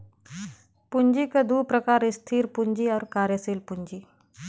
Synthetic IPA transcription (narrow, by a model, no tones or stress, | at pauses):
puɲd͡ʒikəd̪uːpɾəkaɾist̪ʰiːɾpuɲd͡ʒiːaɾkaɾjəsiːlpuɲd͡ʒiː